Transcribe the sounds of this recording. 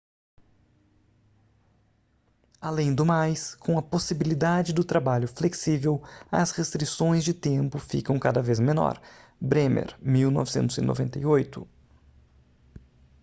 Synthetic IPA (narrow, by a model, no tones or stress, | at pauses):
alẽj̃d̪ʊmajskʰõw̃ɐposibilid̪ad͡ʒɪd̪ʊt̪ɾabaʎʊfleksivewɐshest̪ɾisõj̃zd͡ʒɪt̪ẽmpʊfḭkɐ̃w̃kad̪ɐvezmenɔ̰ɾbɾẽmḛɾmiwnɔ̰vɪsẽt̪ʊzɪ̰nʔo̰vẽnt̪ɐjojt̪ʊ